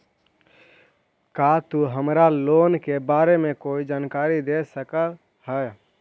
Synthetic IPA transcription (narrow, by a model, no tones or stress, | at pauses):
kat̪uɦəmɾaloːnkebaːɾemẽkoːid͡ʒaːnkaːɾid̪esəkə | həj